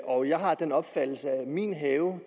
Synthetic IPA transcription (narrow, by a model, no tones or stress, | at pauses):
ʔɒ̽jɑ̈ɪɦɑ̈d̥enɒ̽b̥fæd̥l̩səæmḭnɦɛːʊ